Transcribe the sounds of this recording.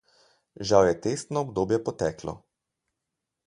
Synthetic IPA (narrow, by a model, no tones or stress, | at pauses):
ʒawjɛt̪est̪nɔːbd̪oːbjɛpɔt̪ɛːklɔ̰